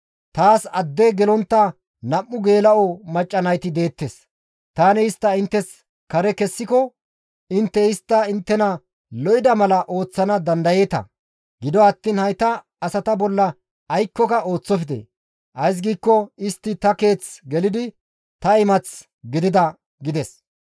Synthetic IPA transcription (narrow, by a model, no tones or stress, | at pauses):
t̪aːsɐd̪ːeɡɛlɔnt̪ːɐ | nɐmːʊɡe̞ːlɐɔmɐt͡ʃʼːɐnɐjt̪ɪd̪e̞ːt̪ːes | t̪aːnɛɪst̪ːɐɪnt̪ːɛs | kɐɾɛkɛsːɪkɔ | ɪnt̪ːɛɪst̪ːɐɪnt̪ːɛnɐ | lɔʔɪd̪ɐmɐlɐʔo̞ːt͡sːɐnɐd̪ɐnd̪ɐje̞ːt̪ɐ̰ | ɡɪd̪ɔɐt̪ːiːnhɐjt̪ɐː | sɐt̪ɐbɔlːɐ | ɐjkːɔkɐʔo̞ːt͡sːɔfɪd̪ḛ | ʔɐjs̬ɡiːkːɔɪst̪ːɪt̪ɐke̞ːt͡sɡɛlɪd̪ɪ | t̪ɐɪmɐt͡s | ɡɪd̪ɪd̪ɐ | ɡɪd̪ɛs